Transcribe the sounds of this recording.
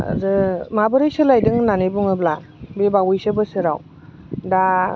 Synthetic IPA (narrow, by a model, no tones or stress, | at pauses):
a̰zɯmabɯɾɯjsɯlajdɯŋnanebuŋɯblabebawɯjsɯbɯsɯɾa̰w | da